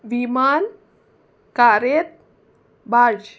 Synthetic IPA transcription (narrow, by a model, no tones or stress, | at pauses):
ʋiman | kaɾet̪̚ | bad͡ʒ